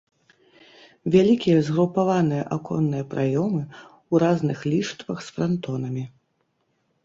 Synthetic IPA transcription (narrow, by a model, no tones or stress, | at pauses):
vʲalʲikʲijɐzɣɾupavanɨjɐʔakʰɔ̰nːɨjɐpɾʔajɔmɨ | wɾaznɨxlʲiʂt̪vɐxsfɾant̪ɔnɐmʲi